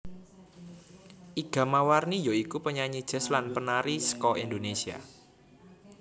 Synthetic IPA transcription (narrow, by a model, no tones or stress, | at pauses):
ʔiɡ̥a̤mawarnijoikupəɲaɲid̥ʒ̥ɛ̤slanpənaɾisə̥kɔʔindonesia̰